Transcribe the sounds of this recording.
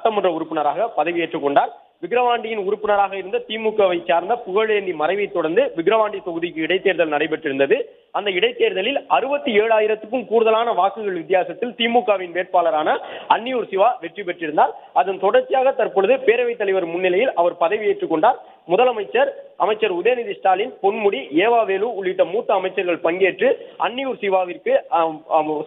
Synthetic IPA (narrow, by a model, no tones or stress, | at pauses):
ɐʈːɐmɔndrɐʊɾɯpːɪnɐɾaːɣɐpɐðɐɪʋieːʈrɯkːɔɳɖaːɾ | ʋɪɡɾɐʋaːɳɖɪjɪnʊɾʊpːɪnɐɾaːɣɐɪɾɯnd̪ɐt̪iːmuːkːaʋɐɪt͡ʃːaːɾnd̪ɐpʊɣɐɭeːɳɖ̪imɐɾɐɪʋɐɪt̪ːɔɽɐɾnd̪ɯʋɪɣɪɾɐʋaːɳɖit̪ɔɣɯðɪk̬ːɯɪɽɐɪt̪ːeːɾðɐlnɐɽɐɪpɐʈrɪɾɯnd̪ɐðɯ | ɐnd̪ɐɪɽɐɪt̪ːeːɾðɐlɪlɐɾɯbɐt̪ːɯeːɻaːjɪɾɐt̪ːɯkːɯmkuːɾɯðɐlaːnɐʋaːkɯɣɐɭʋɪt̪̬ːɪjaːsɐt̪ːɪlt̪iːmuːkːaːʋɪnʋeːʈ̚paːlɐɾaːnɐɐnːɪjuːɾsɪʋaːʋɛʈrip̬ɛʈrɪɾɯnd̪aːɾɐðɐnt̪ɔɽɐɾt͡ʃijaːɣɐt̪ːɐɾpɯɭɐðɯpeːɾɐʋɐɪt̪ːɐlɐɪʋɐɾmʊnːɪlɐjɪlʔɐʋɐɾpɐðɐɪʋieːʈrɯkːɔɳɖaːɾ | mʊðɐlɐmɐɪt͡ʃːɐɾʔɐmɐɪt͡ʃːɐɾʊðeːnɪðɪsʈaːlɪnpɔnmʊɽieːʋaːʋeːluʊɭːɪʈːɐmuːt̪ːɐːmɐɪt͡ʃːɐɾɣɐɭpɐŋɡeːʈrɯʔɐ̰nːɪjuːɾsɪʋaːʋɪrkɯ